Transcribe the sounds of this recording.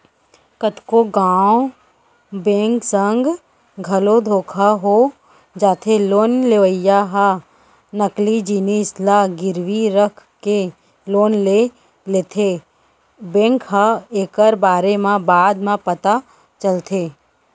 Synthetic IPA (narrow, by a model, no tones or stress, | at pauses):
kət̪koɡaːw | bẽːŋksə̃ŋɡ | ɡʱɐlod̪ʱoːkʰaɦo | d͡ʒaːt̪ʰeloːnleʋəjaɦa | nəklid͡ʒiːnislaɡɪɾʋiɾəkʰke | loːnle | leːt̪ʰe | bẽːŋkɦaeːkəɾbaːɾemãbaːd̪mãpət̪a | t͡ʃəlt̪ʰeː